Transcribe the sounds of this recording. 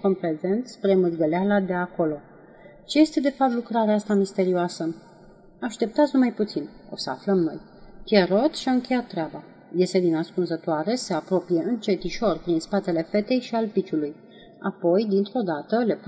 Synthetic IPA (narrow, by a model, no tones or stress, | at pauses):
kompɾeze̞nt̪spɾe̞mɨɡəlealad̪e̞ako̞lo̞ | t͡ʃe̞je̞st̪e̞d̪e̞fap̚t̪lukɾaɾeaast̪amist̪e̞ɾioasə | aʃt̪e̞p̚t̪at̪snumajput̪sin | o̞̰səa̰fləmno̞̰j | k̪jeɾo̞t̪ʃiaɨŋkʲe̞jat̪ːɾeaba | je̞st̪e̞d̪inaskunzət̪oaɾe̞se̞apɾo̞pijeɨnt͡ʃe̞t̪iʃo̞rpɾinspat̪e̞le̞fe̞t̪e̞jʃialpit͡ʃuluj | a̰po̞jd̪int̪ɾo̞d̪at̪əle̞p